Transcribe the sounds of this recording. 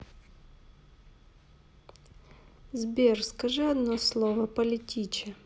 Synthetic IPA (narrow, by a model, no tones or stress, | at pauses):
zbʲerskɐʐɨɐd̪noslˠovəpəlʲɪtʲit͡ɕɪ